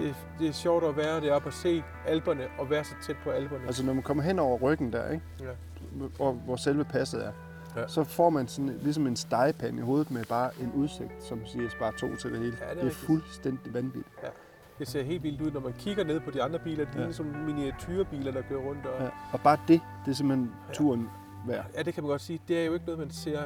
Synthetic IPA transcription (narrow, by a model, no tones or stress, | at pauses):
d̥e̝ | d̥e̝æɐɕɒʊɾ̥ɒʋæːɐɾ̥e̝b̥ʰɒse̝̰ː | ælb̥ɐnəʔɒ̽ʋæːɐsɑ̈ɪt͡sʰed̥̚pʰɒ̽ælb̥ɐnəæls̬ənɒmænkʰɒ̽mɐɦen̰ɒʊ̰ɐʁœɡ̥n̩d̥æɐeɡ̥ | ɒʋɒselʋəpʰæsð̩ˠæɐ | sɒ̽fɒ̰ːmænsɒ̽nlis̬ɒ̽me̝nsd̥ɑ̈ɪpʰæniho̝ːð̩ˠmeb̥ɑ̈ːʔe̝nʔuð̞ˠse̝ɡ̥̚d̥sɒ̽msiɐɐsb̥ɑ̈ːt͡sʰo̝̰ːt͡sʰe̝ld̥e̝he̝ːləd̥e̝æfulsd̥en̰d̥iʋænʋḭd̥ | d̥ese̝ɐ̰ɦe̝̰ːldʋild̥uð̰ˠnɒmænkʰiɡ̥ɐne̝ð̞̰ˠpʰɒ̽d̥iɑ̈nd̥ʁɐb̥ḭːlɐd̥e̥lisɒ̽mminiæt͡sʰyːɐb̥ḭːlɐdɑ̈ɡ̥øɐʁɔ̽n̰d̥ɒjæɒ̽b̥ɑ̈ːd̥e̝ | d̥e̝s̬e̝mhen | t͡sʰuɐn | ʋæɐ̰jæd̥e̝kʰæmænɡɒ̽d̥siːd̥e̝æɐjo̝e̝ɡ̥ənɔðˠmænse̝ɐ̰